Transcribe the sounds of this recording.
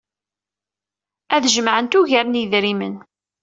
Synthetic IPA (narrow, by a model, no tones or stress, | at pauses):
æðʒəmʕənt̪uʝæɾniðɾimə̰n